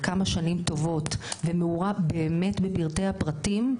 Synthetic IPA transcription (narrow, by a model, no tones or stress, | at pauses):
kamaʃanimto̞vo̞tvemeuʁabeːme̞tbebiʁtejhapʁatim